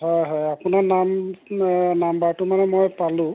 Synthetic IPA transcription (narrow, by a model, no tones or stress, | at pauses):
hɔjɦɔjapʊnanam | nambaɹtumanɛmojpalʊ̃